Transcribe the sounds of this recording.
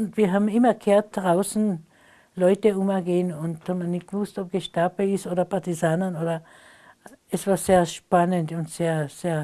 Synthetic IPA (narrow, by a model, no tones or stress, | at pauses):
ʊntv̥iːɐɦaːbm̩ɪmɐkʰeːɐt̚d̥ʁaʊsn̩ | lɔʏtəʊmɛɡeːənʊnthaːm̩ɐnɪçt̚ɡ̥əvʊstɔp̚ɡ̥əʃtapəɪsoːdɐpaɐtizaːnɐnoːdɐ | ɛsv̥aːɐseːɐʃpanəntʊntseːɐseːɐ